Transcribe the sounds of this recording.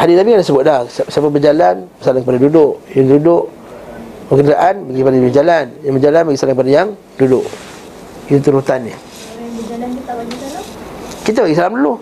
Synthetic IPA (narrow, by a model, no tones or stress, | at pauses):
hadiabiŋandasəbʊt̪̚dahssapabərd͡ʒalanbəsalanŋkəpadadudʊʔjaŋdudʊʔ | bəkəndaʔanbaɡikəpadajbəd͡ʒalanjaŋbəd͡ʒalanbaɡisalanŋkəpadajaŋ | dudʊʔ | it̪uɾut̪anːi | kit̪abaɡisalamdulu